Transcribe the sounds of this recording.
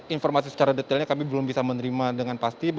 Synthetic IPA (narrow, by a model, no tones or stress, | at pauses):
infɔrmasisə̥t͡ʃaɾadət̪alɲakamibəlʊmbisamənəɾimadəŋanpast̪ib